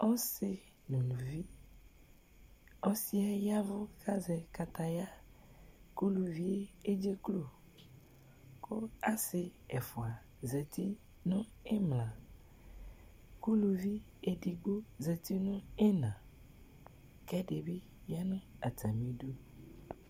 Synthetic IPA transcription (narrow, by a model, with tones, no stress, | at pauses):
ɔ˦sɪ˨ | nũ˨lu˨vi˦ | ɔ˦si˦a˦ja˦vʊ˦ka˦zɛ˨ka˨t̪a˨ja˦ | ku˦lu˨vi˦e˦e˦d͡ʒe˦klo˨ | ko˦a˦sɪ˨ɛ˨fʊ˨a˨ | zɛ˨t̪i˦ | nʊ̃˦e˦mlã˨ | ku˦lu˨vi˦ | e˨di˨ɡ͡bo˦zɛ˨t̪i˦nʊ̃˦e˦nã˨ | kɛ˦ɖe˨bi˦ | ja˦nʊ̃˦a˨t̪a˨mĩ˦do˦